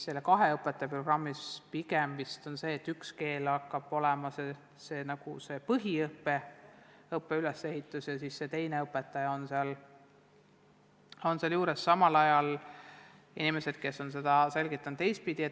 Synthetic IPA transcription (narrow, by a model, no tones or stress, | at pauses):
se̞lːekɑɦe̞ɤpːˑet̪ːˑɑjɑpro̞ɡ̥rɑmːispiɡ̥emvist̪o̞nse̞ːt̪ːykske̞ːlɑkːˑɑb̥o̞lɛmɑse | se̞ːnɑɡ̥use̞pɤɦiɤpːe | ɤpːe̞ylese̞ɦit̪ːˑusjɑsisːe̞t̪e̞jneɤpːˑet̪ːˑɑjɑo̞nseɑl | o̞nseɑljuːɾesːɑmɑlɑjɑl | inimese̞d̪̥̚ke̞sːo̞nse̞d̪̥ɑse̞lɡ̥it̪ːˑɑnd̪ːejs̚pid̪̥ie